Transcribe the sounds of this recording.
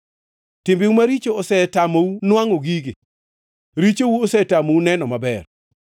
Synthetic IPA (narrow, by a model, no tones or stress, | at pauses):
tɪmbiwumaɾit͡ʃoɔsɛtamowunwaŋoɡiɡe | ɾit͡ʃowuosɛtamounɛnɔmabɛr